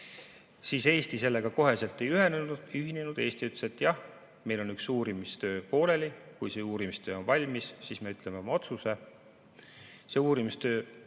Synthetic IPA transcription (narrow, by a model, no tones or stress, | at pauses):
siːse̞ːst̪ise̞lːe̞ɡ̥ɑko̞ɦe̞se̞lt̪ːˑe̞jyɦe̞nenud̥̪yɦinenud̪̥e̞ːst̪iyt̪leset̪ːˑjɑh | me̞jlo̞nyksuːɾimist̪ø̞ːpo̞ːle̞likujseuːɾimist̪ø̞ːonvɑlʲmisːiːsme̞yt̪ːˑle̞me̞o̞mɑo̞t̪suse̞ | se̞uːɾimist̪ø̞ː